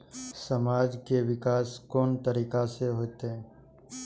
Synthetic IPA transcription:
səmaːd͡ʒkeʋɪkaːskɔːnt̪əɾiːkaseɦoːt̪eɦɛ̃ː

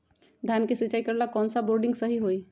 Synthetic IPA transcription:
d̪ʱjankesiːt͡ʃajkəɾlakɔnsaboɾɖĩŋɡsəɦiɦoj

